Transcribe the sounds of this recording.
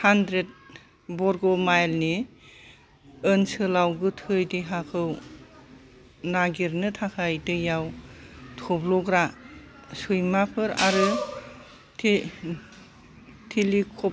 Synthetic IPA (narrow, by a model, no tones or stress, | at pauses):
handɾet̚ | bɔɾɡɔmajlni | ɯnsɯlawɡɯtʰɯjdiɦakʰɯw | naɡiɾnɯtʰakʰajdɯjawtʰɔblɔɡɾa | sɯjmapʰɯɾa̰ɾɯ | tʰ | tʰilikʰɔ